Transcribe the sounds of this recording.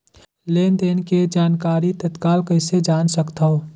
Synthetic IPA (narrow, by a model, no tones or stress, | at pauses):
leːnd̪eːnked͡ʒaːnkaːɾit̪ət̪kaːlkəɪsed͡ʒaːnsəkt̪ao